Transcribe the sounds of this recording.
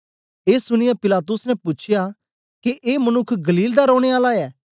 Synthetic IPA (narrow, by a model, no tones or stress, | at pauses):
eːsʊɽ̃ɪjapɪlaːt̪ʊsnɛpʊt͡ʃʰɪja | keʔeːmɐnʊkʰːɡɐliːld̪aɾɔːɽ̃eaːlaɛː